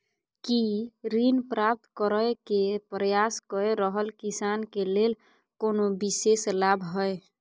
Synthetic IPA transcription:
kiɾinpɾap̚t̪kəɾəjkepɾəjaskəɾeɾəɦəlkisankelel | konobiseslabʱɦəj

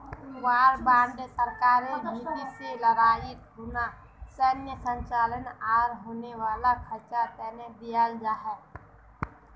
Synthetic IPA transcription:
waːɾbãːɳɖsəɾkaːɾeit̪iseləɾaːɪt̪ɦoːna | sənjəsə̃ɲt͡ʃaːlənaːɾɦoːneʋaːlakʰəɾt͡ʃat̪ɛːned̪ijəld͡ʒaːɦɛ

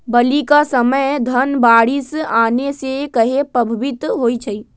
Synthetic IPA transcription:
bɐlikasəməjd̪ʱɐnbaːɽisaːnesekɐɦepɾɐbʱɪbɪt̪ɦoːit͡ʃʰɐiː

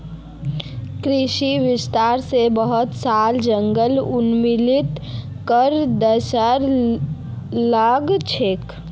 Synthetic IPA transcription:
kɾɪʃiʋɪst̪aːɾsebəɦʊt̪saːld͡ʒəŋɡəlʊnmɪlɪt̪ | kəɾd̪əsəɾ | ləɡt͡ʃʰek

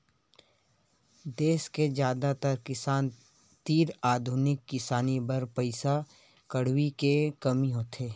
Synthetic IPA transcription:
d̪eːsked͡ʒjaːd̪at̪əɾkɪsaːn | t̪iːɾaːd̪ʱʊnɪkːɪsaːnibəɾpəɪsa | kəɽ̤wikekɐmiɦoːt̪ʰeː

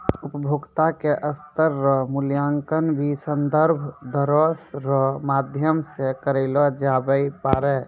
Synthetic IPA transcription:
upəbʱoɡt̪akeʔəst̪əɾːɔmuljaŋkənbʱisənd̪əɾbʱd̪əɾɔsɾɔmad̪ʱjəmsekəɾelɔd͡ʒabəjpaɾɛ

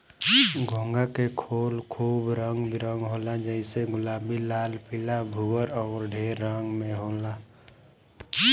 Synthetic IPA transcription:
ɡʱõːŋɡakekʰoːlkʰuːbɾə̃ŋɡbiɾə̃ŋɡɦoːlad͡ʒəɪseɡʊlaːbilaːlpɪlabʱuɡəɾɔːɾɖʱeːɾːəŋɡmẽɦoːla

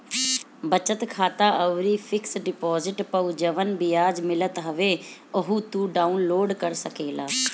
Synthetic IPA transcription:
bət͡ʃət̪kʰaːt̪aːʔəʋɾiːpʰɪksɖɪpɔːzɪʈpəʊd͡ʒəʋənbɪjaːd͡ʒmɪlət̪ɦəʋeːʊɦuːt̪uːɖaːunloːɖkəɾsəkeːlaː

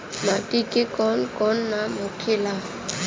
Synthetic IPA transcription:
matikikɔnkɔnːamokʰila

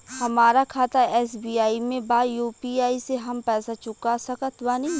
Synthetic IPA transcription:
hɐmaːɾakʰaːt̪aɛːsbiːaːimẽbaːjuːpiːaːiseɦɐmpɛːsat͡ʃʊkasɐkət̪ʋaːni

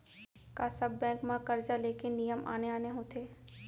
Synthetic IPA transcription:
kasɐbːɛ̃ːŋkmãkɐɾd͡ʒaleːkenijəmʔa̰ːneaːneɦoːt̪ʰeː

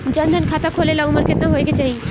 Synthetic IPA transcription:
d͡ʑənd̪ʱankʰat̪akʰolelaumaɾkʰet̪naɦoeɡet͡ɕaj

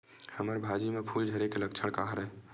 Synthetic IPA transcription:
həməɾbʱad͡ʒimepʰuld͡ʒʱəɾekelək̚t͡ʃʰəɽkaɦɾəɛ

